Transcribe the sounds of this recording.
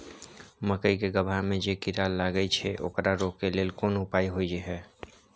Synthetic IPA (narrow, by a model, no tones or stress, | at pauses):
məkəikeɡəbʱamẽd͡ʒeːkɪɾaːlːaɡəit͡ʃʰɛʔo̰ːkɾaɾoːkːeleːlkoːnʊpaːiɦoid͡ʒeɦɛː